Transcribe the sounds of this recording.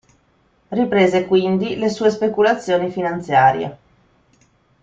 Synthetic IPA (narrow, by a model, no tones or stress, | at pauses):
ripɾeːzekwind̪ilesuːes̬pekulat̪sːjoːnifinant̪sjaːɾjḛ